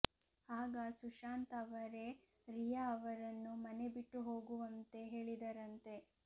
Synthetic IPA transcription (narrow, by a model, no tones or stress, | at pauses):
haːɡɐsuʃaːnt̪ɐʋɐɾe̞ | ɾijɐːʋɐɾɐnːumɐne̞biʈːuɦoːɡuʋɐnt̪e̞ɦe̞ːɭid̪ɐɾɐnt̪e̞